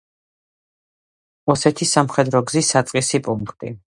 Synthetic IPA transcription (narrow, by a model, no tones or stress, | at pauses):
ɔsɛt̪ʰisamχɛd̪ɾɔɡzisat̪sʼqʼisipʼuŋkʰt̪ʼḭ